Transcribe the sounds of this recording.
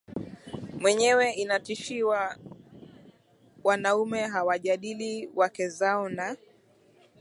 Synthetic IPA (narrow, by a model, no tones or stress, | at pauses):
mwɛɲɛwɛʔinatiʃiwa | wanaumɛɦawaʄaɗiliwakɛzaɔna